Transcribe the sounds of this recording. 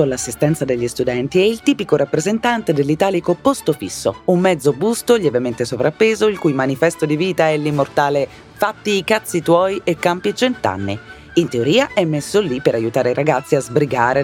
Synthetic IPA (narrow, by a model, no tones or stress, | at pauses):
olasːist̪ɛnt̪sad̪eʎːist̪ud̪ɛnt̪iɛilt̪iːpikoɾapːɾezent̪ant̪ed̪elːit̪aːlikopost̪ofisːo̰umːɛd̪zobust̪oʎevement̪esovɾapːeːzoilkujmanifɛst̪od̪iviːt̪aɛlːimːort̪aːle | fat̪ːiːkat̪sːit̪wɔːjʔekːampit͡ʃent̪a̰nːi | int̪eoɾiːaʔɛmːesːolipːeɾajut̪aːɾeiɾaɡat̪sːiazbɾiɡaːɾe